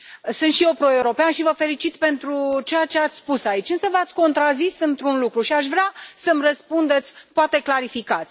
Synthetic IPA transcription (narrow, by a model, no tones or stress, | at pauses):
sɨnt̪ʃijewpɾo̞e̞uɾo̞peanʃivəfe̞lit͡ʃit̪pe̞nt̪ɾut͡ʃe̞jat͡ʃe̞at̪sʲspusait͡ʃʲɨnsəvat̪sʲko̞nt̪ɾazisɨnt̪ɾunlukɾuʃiaʃ̬vɾeasəmrəspund̪e̞t̪sʲpoat̪e̞klaɾifikat̪sʲ